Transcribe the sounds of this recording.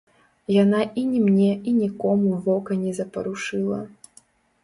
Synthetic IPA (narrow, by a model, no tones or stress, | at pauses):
janaʔinʲimnʲɛinʲikɔmuvɔkɐnʲɛzɐpɐɾuʂɨlˠɐ̰